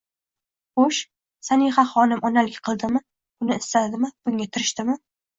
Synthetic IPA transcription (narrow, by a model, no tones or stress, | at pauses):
χoʃ | sanɪŋχaχɒnɪmʔɒnalɪɡʲqʰɨlˠd̪ɪmɪ | bʊnɪɪst̪ad̪ɪmɪb̥ʊŋat̪ʰɪɾɪʃt̪ɪmɪ